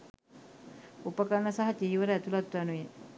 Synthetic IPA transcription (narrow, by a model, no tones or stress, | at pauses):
upəkanːəsaɦad͡ʒiːʋəɾəæt̪ulat̪ːuanue